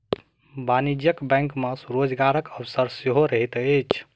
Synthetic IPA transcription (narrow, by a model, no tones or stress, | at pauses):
banid͡ʒjəkbɛ̃ŋkməsɾod͡ʒɡaɾəkəbsəɾseɦoɾəɦit̪et͡ʃʰ